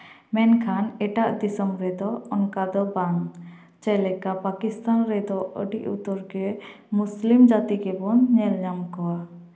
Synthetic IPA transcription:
mɛnkʰanɛʈaʔd̪isəmɾɛd̪ɔɔnkad̪ɔbaŋ | t͡ʃɛlɛkapakist̪anɾɛd̪ɔʔəɖiʔut̪ɔɾɡɛ | muslimd͡ʒat̪ikɛbɔnɲɛlɲamkɔwa

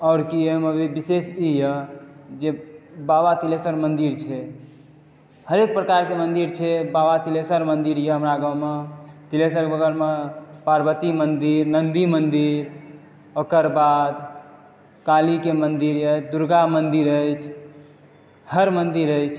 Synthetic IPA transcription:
ɔʊɾkijemebibisesijəd͡ʒebabat̪ilesəɾmənd̪iɾt͡ʃʰɛ | həɾek̚pɾəkaɾkemənd̪iɾt͡ʃʰɛbabat̪ilesəɾmənd̪iɾjeɦəmɾaɡəwmet̪ilesəɾbəɡəɾmepaɾbət̪imənd̪iɾnənd̪imənd̪iɾ | okəɾbad̪ | kalikemənd̪iɾjət͡ʃd̪uɾɡamənd̪iɾət͡ʃʰ | həɾmənd̪iɾəjt͡ʃʰ

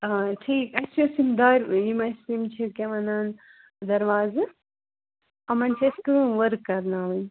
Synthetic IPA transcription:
aʈʰiːkɐsosimd̪aːɾʲjimɐsimt͡ʃʰikʲeʋɐnaːn | d̪ɐɾʋaːzɨ | ɐmɐnt͡ʃʰɐskɨʋɐɾkːɐɾnaːʋɐn

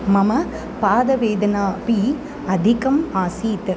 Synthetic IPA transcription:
mɐmɐ | paːd̪ɐʋeːd̪ɐnaːpi | ɐd̪ʱɪkɐmaːsiːt̪ɐ

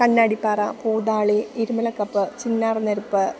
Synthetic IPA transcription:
kɐɳːaːɽipːaːrɐpuːðaːɭiiɾumɐlɐkːɐpːɨt͡ɕinːaːrɨnɐɾupːɨ

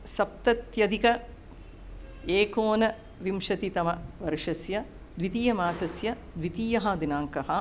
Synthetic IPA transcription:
sɐp̚t̪ɐt̪jɐd̪ikɐ | eːkoːnɐ | ʋimʂɐt̪it̪ɐmɐʋɐɾʂɐsjɐ | d̪ʋit̪iːjɐmaːsɐsjɐ | d̪ʋit̪iːjɐɦɐd̪inaːŋkɐɦɐ

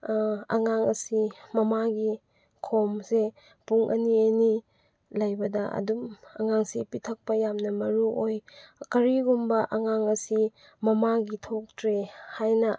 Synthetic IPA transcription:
ɐ̰ŋaŋɐsimɐmaɡi | kʰomse | puŋʔɐ̰nieni | lɐjbɐdɐʔɐ̰dumɐ̰ŋaŋsipitʰɐk̚pɐjamnɐmɐɾuʔojkɐɾiɡumbɐʔɐŋaŋɐsi | mɐmaɡitʰok̚tɾehajnɐ

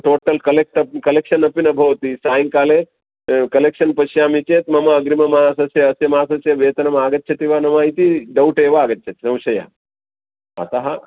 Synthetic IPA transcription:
ʈoːʈɐlkɐlek̚ʈɐkɐlekʃɐnɐpinɐbʱɐʋɐt̪isaːjiŋkaːle | kɐlekʂɐnpɐʃjaːmit͡ʃeːt̪mɐmɐːɡɾimɐmaːsɐsjɐɐsjɐmaːsɐsjɐʋeːt̪ɐnɐmaːɡɐt̪̚ːt͡ʃʰɐt̪iʋaːnɐmaːit̪iɖɐwʈeːʋɐaːɡɐt̪ːt͡ʃʰɐt̪sɐ̃w̃ʃɐja̰ː | a̰t̪aɦa

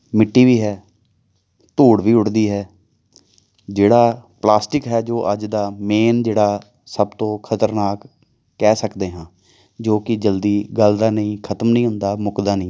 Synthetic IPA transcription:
mɪʈːiːʋiːɦɛː | t̪uːɽʋiːʊʈd̪iːɦɛː | d͡ʒeːɽaːplaːsʈɪkɦɛːd͡ʒoːʔəd͡ʒd̪aːmeːnd͡ʒeːɽaː | səbt̪õːkʰət̪əɾnaːkː | ɛːsəkd̪eːɦãː | d͡ʒoːkɪd͡ʒəld̪iːɡəld̪aːnəĩːkʰət̪əmnəĩːɦʊnd̪aːmʊkd̪aːnəĩː

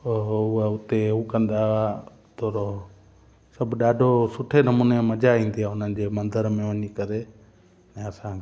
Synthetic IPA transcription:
oːʊaʊt̪euːkə̃nd̪aːa | t̪ʰoːɾo | səbɗaːɖʱosʊʈʰenəmuːneməd͡ʒaĩːnd̪iaːʊnənɪd͡ʑeːmənd̪əɾmẽʋəɲikəɾeː | ɛ̃ːəsãː

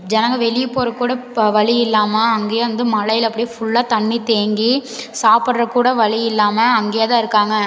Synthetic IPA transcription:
d͡ʒɛnɐŋɡɐʋɛɭɪjɐpːoːɾɐkːuːɽɐʋɐɭɪjɪlːaːmɐːŋɡeːjɐʋɐnd̪ɯmɐɭɐjɪlɐpːɐɽɪjfʊɭːaːt̪ɐɳːit̪eːŋɡisaːpɯɽɾɐkuːɽɐʋɐɭijɪlːaːmɐɐŋɡeːjɐt̪ãːɪɾɯkːaːŋɡɐ

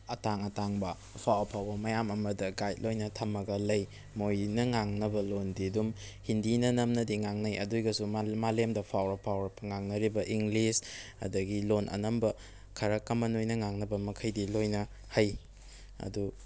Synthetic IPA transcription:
ɐtaŋɐtaŋbɐ | pʰawɐpʰawbɐmɐjamɐmɐdɐɡajt̚lojnɐtʰɐmɐɡɐlɐj | mojnɐŋaŋnɐbɐlondidum | hindinɐnɐmnɐdiŋaŋnɐjɐ̰dujɡɐsumalemdɐpʰawɾɐpʰawɾɐpːɐŋaŋnɐɾibɐʔiŋɡlishɐ̰dɐɡilonʔɐ̰nɐmbɐ | kʰɐɾɐkɐmːɐnojnɐŋaŋnɐbɐmɐkʰɐjdilojnɐ | hɐj | ɐ̰du

